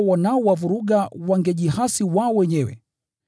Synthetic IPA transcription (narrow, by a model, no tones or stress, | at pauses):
wanaɔwavuɾuɡawaŋɡɛʄiɦasiwaɔwɛɲɛwɛ̰